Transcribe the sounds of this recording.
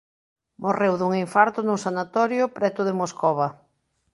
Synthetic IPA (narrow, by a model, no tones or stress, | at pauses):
mʔorewðuŋiɱfaɾt̪ʊnʊsanat̪ɔɾjʊpɾɛt̪ʊðemoskɔβɐ